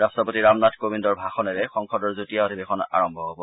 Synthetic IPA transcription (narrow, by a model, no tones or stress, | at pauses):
ɹastɔpotiɹamnatʰkobindɔɹbʱaxɔnɛɹɛxɔŋxɔdɔɹzotijaotʰibexʰɔna̰ɹɔmbʱɔɦobɔ